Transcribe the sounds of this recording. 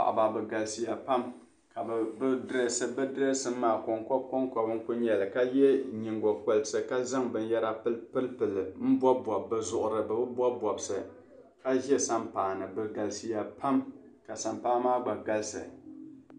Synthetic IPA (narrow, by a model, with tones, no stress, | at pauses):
a̰˨ʔba˨bɨ˨ɡa˨lsi˨ja˨pa˦m | ka˨bbdɨ˦ɾɛ˨sɨ˦bɨ˦dɨ˦ɾɛ˦sɨ˦mːaː˨kɔ˨ŋkɔ˦b̚kɔ˦ŋkɔ˦bɨ˦ŋ˦ku˦ɲɛ˨lɨ˨ka˦jɛ˦ɲi˨ŋɡɔ˨k͡po˨lsɨ˨ka˦za˦ŋbɨ˨n˦jɛ˦ɾa˦pɨ˦lpɨ˦lpɨ˨lɨ˨m̩˦bɔ˦bwɔ˨bːɨ˨zʊ˨ʔʊ˨ɾɨ˨bɨ˨bɨ˦bʷɔ˦bɔ˨bsɨ̰˨ | ka˦ʒɛ˦sa˦mpaː˨nɨ˨bɨ˨ɡa˨lsi˨ja˨pʰa˦mka˨sa˨mpaː˦maː˦ɡ͡ba˨ɡa˦lsɨ̰˨